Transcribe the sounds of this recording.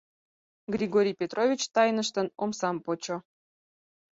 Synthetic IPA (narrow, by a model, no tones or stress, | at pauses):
ɡrʲiɡoɾʲijpʲet̪rʔovʲit͡ɕt̪ɑjnəʃt̪ənomsɑmpot͡ɕo